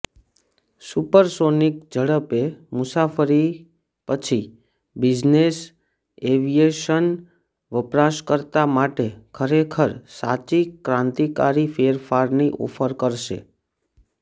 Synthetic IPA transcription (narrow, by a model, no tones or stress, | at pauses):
supəɾsonikd͡ʒəɽəpemʊsafʰəɾi | pət͡ʃʰi | bɪd͡ʒnes | eʋijeʃən | ʋəpɾaʃkəɾt̪amaʈekʰəɾekʰəɾsat͡ʃikɾãnt̪ikaɾifeɾfaɾniʔo̰fʰəɾkəɾʃḛ